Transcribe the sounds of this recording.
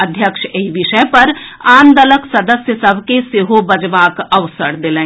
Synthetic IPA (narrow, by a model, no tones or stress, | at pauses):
əd̪ʱjəkʃeiʋɪʃəpɐɾãːnd̪ələksɐd̪əsjəsɐbʱkeseɦobɐd͡ʒʋaːkɐʋsəɽd̪ɪlẽː